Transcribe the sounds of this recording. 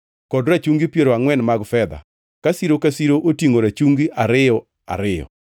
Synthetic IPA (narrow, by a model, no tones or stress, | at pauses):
kɔdɾat͡ʃuŋɡipjeɾoaŋwɛnmaɡfɛd̪a̰ | kasiɾokasiɾoʔotiŋoɾat͡ʃuŋɡiʔaɾɪjɔ | a̰ɾɪjɔ̰